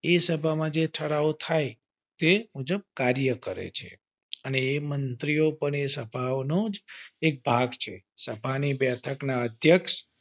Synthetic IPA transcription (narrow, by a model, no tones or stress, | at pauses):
esəbʱamãd͡ʒeʈʰəɾaot̪ʰaj | t̪emud͡ʒəb̚kaɾjəkəɾḛt͡ʃʰḛ | əneːmənt̪ɾijopəɳesəbʱaʋnod͡ʒek̚bʱaɡt͡ʃʰe | səbʱanibɛt̪ʰəknaəd̪ʱjəkʃ